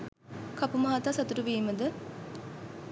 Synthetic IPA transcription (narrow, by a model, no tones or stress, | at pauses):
kɐpumɐɦat̪aːsɐt̪uɾuʋiːməd̪ə